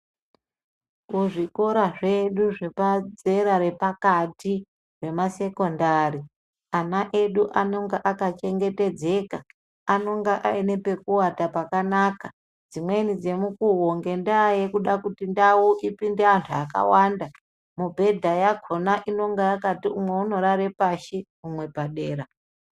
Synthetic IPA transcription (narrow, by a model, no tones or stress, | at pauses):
kuʐiko̞ɾaʐe̞ɗuʐe̞pad͡ze̞ɾaɾe̞pakati | we̞mase̞ko̞ndari | anaʔe̞ɗuʔano̞ŋɡeʔakat͡ʃe̞ŋɡe̞te̞d͡ze̞ka | ano̞ŋɡeʔaene̞pe̞kuwatapakanaka | d͡zimwe̞nid͡ze̞mukuɦoŋɡe̞ndaːjekuɗakutindawuʔipindeantʰuaka̰wanda | mubʱe̞dʱajaɡʱo̞naʔino̞ŋɡeakatiumwe̞uno̞ɾaɾepaʃi | umwe̞paɗeːɾa